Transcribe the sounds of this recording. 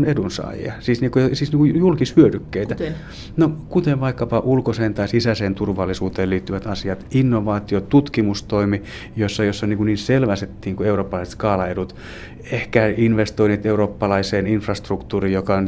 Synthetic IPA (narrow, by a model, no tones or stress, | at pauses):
nedunsɑ̰ːjḛɑ̰siːsniːŋkujosiːsniːkujulkishyødykːeit̪æ | nokut̪eʋʋɑikːɑpɑʔulkoseːnt̪ɑisisæseːnt̪urʋɑlːisuːt̪eːliːt̪ːyʋæt̪ɑsiɑt̪inːoʋɑːt̪iot̪ut̪kimust̪oimi | josːɑjosːonniːŋkuniːnselʋæset̪ːiːŋkueuroːpːɑlɑise̥t̪kɑːlɑedut̪ | ehkæinʋest̪oinet̪euroːpːɑlɑiseːninfrɑst̪rukt̪uːrijokɑn